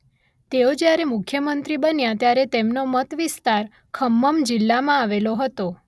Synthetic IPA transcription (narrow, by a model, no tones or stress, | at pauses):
t̪eod͡ʒjaɾemʊkʰjəmənt̪ɾibənjat̪jaɾet̪emnomət̪ʋist̪aɾ | kʰəmːəmd͡ʒilːamãaʋeloɦət̪o